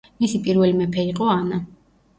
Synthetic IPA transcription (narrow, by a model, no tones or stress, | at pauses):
misipʼiɾvɛlimɛpʰɛɾiqʼɔana